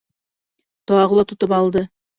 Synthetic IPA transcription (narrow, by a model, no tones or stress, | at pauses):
t̪oɑʁlˠɑt̪ʰʊ̆t̪əpɑlˠd̪ə